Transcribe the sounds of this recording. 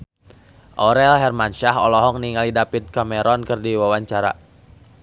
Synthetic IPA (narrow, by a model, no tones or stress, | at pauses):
ʔɔɾɛlɦɛrmanʃaɦɔlɔɦɔk̚niŋalidapit̪̚kamɛɾɔnkɨrdiwawaɲt͡ʃaɾa̰